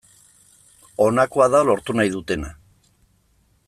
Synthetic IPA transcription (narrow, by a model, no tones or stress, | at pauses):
o̞nakoaðaolo̞ɾt̪unajðut̪e̞na